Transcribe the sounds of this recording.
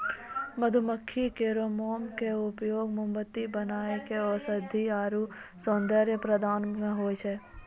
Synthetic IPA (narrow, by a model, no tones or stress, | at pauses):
məd̪ʱʊməkʰːikeːɾoːmoːmkeʊpjoːɡmʊmbət̪ːibənaːekeɔːsəd̪ʱiaːɾu | sɔ̃ːnd̪əɾjəpɾəd̪ʱaːnmẽɦoːet͡ʃʰeː